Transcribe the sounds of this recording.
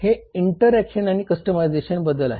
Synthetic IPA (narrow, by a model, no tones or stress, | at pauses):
heiɳʈəɾækɕənaɽ̃iːkəsʈəmajd͡zeɕənbəd̪əla̰ɦe